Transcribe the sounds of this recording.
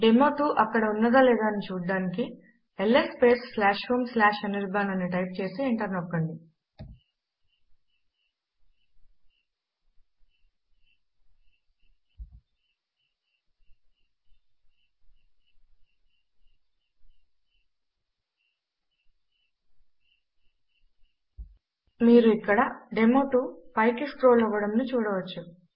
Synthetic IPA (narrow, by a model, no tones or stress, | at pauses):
ɖemoːʈ̪uːʔɐkːɐɽɐunːɐd̪ɐleːd̪aːnit͡ʃuːɽɖaːniki | elːespeːsslaːʃɾuːmslaːʃɐniɾbaːnɐniʈɐjp̚t͡ʃe̞ːsieɳʈɐɾnɔkːɐɳɖi | miːɾuikːɐɽɐɖemoːʈupɐjkesʈɾoːlɔʋːɐɽɐmnut͡ʃuːɽɐʋɐt͡ʃːu